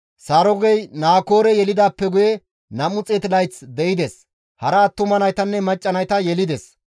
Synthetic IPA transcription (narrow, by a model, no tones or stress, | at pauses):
saɾɔɡɛjnaːko̞ːɾɛjɛlɪd̪aːpːɛɡʊjɛ | nɐmʊt͡sʼet̪ɪlɐjt͡sd̪ɛʔɪd̪ɛs | hɐɾɐːt̪ːʊmɐnɐjt̪ɐnːɛmɐt͡ʃʼːɐnɐjt̪ɐjɛlɪd̪ɛs